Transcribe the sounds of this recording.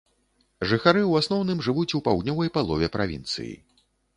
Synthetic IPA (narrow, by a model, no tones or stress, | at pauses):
ʐɨxaɾɨuwasnɔwnɨmʐɨvut͡sʲupawd̪ʲnʲɔvɐjpalˠɔvʲɛpɾʔavʲḭnt̪sɨ̰jḭ